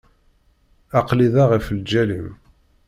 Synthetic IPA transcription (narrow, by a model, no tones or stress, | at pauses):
ɑqliðaʁəfld͡ʒælim